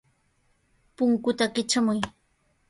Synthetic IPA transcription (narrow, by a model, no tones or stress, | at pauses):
pʊŋkʊt̪akɪt͡ʃamʊj